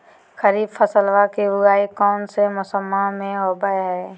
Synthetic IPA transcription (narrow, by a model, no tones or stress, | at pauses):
xəɾiːbfʰəsəlʋakebʊɡaːikɔːnsemʊsəmːamẽɦoːbajɦɛː